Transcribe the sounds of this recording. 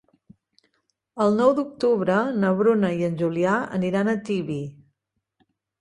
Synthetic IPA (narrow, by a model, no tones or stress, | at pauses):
əlˠnɔwd̪uk̚t̪uβɾənəβɾunəiənʲʒuliaə̰niɾanət̪iβi